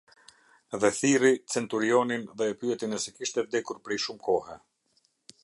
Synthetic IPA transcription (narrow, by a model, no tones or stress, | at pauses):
ɛðɛθirit͡sɛnt̪uɾiɔninðɛːpyɛt̪inɛsɛkiʃt̪ɛvd̪ɛkuɾpɾɛjʃumkɔhɛ